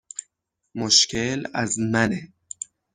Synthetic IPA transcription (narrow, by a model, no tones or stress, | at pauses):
moʃkʰelæ̰zmæne